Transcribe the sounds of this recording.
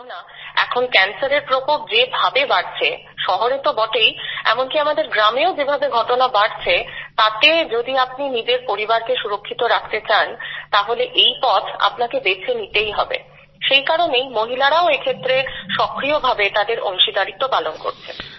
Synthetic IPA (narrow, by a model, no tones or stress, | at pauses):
na | ɛ̰kʰonkɛnsaɾeɾpɾopok̚d͡ʑebʱabebaɽt͡ɕʰe | ʃɔɦoɾet̪obɔʈejɛ̰monkiamad̪eɾɡɾameod͡ʑebʱabeɡʱɔʈonabaɽt͡ɕʰet̪at̪ed͡ʑod̪iap̚ninid͡ʑeɾpoɾibaɾkeʃuɾokʰːit̪oɾakʰt̪et͡ɕant̪aɦoleʔejpɔt͡ɕʰa̰pnakeb̪et͡ɕʰenit̪ejɦɔbḛ | ʃejkaɾonejmoɦilaɽaoekʰet̪ːɾeʃɔkɾiobʱabet̪ad̪eɾʔɔ̰ŋʃid̪aɽit̪ːopalonko̰ɾt͡ɕʰḛ